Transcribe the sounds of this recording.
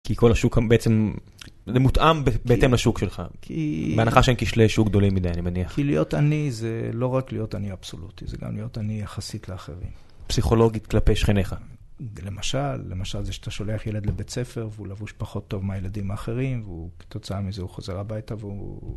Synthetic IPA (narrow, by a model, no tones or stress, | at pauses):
kʰiko̞laʃukabeet͡sem | zemut̪ʔambebeetemlaʃukʃelχa̰kʰḭbeanaχaʃeemkiʃleʃukɡd̪o̞limːid̪ajanimeniaχkilijo̞tanizelo̞ʁaklijo̞taniab̥so̞̰lutizeɡa̰mlijo̞tanijaχasitleaχe̞̰ʁḭm | psiχo̞lo̞ɡit̪klapejʃχeneχa | le̞maʃalːe̞maʃalzeʃat̪aʃo̞le̞aχjele̞d̪lebet͡se̞fe̞ʁveulavuʃpaχo̞t̪ːo̞vmeajeladimaːχe̞ʁimveut̪o̞t͡saamizeuχoze̞ʁabajtaveu